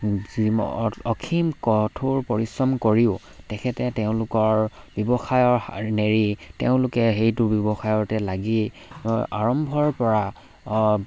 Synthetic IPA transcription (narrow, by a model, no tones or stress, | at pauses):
ziɔkʰimkɔtʰuɹpoɹisɹɔmkoɹiʊ | tɛkʰɛtɛteʊ̃lʊkɔɹ | bjɔbɔxajɔɹneɹiteʊ̃lʊkɛɦejtʊbjɔbɔxajɔɹtɛlaɡi | mjʔaɹɔmbʱɔɹpɔɹa